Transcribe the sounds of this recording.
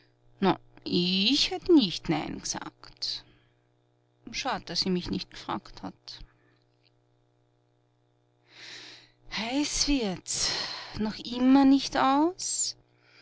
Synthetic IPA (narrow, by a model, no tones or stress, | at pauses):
na̰ʔɪçhɛtənɪçtnæɪnɡ̥z̥a̰ːkt | ʃaːdəd̥asiːmɪçnɪçt̚ɡ̥ə̥fʁ̥a̰ːktha̰t | haɪsv̥ɪɐtsnɔxʔɪmɐnɪçtaʊs